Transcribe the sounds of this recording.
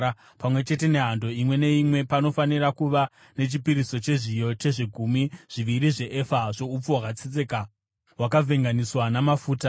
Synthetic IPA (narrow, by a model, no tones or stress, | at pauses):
a | pamwe̞t͡ʃe̞te̞ne̞ɦando̞imwe̞ne̞imwe̞pano̞fanirakuʋa | ne̞t͡ʃipiɾiso̞t͡ʃe̞ʐijo̞te̞ʐiɡʱumiʐ̥iʋiɾiʐe̞ʔefaʐo̞up͡fowakat͡sit͡seka | wakavʱe̞ŋɡaniswanamafuːta